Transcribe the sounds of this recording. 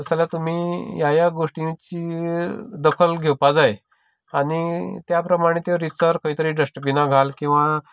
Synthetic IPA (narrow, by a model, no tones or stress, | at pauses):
əsalat̪um̤iːjajaɡoʂʈĩt͡ɕiː | d̪əkʰəlɡʱewpad͡zae | aɽ̃it̪japɾəmaɽ̃et̪joɾisəɾkəiːt̪əɾiːɖəsʈbinaɡʱalkĩw̃ʋa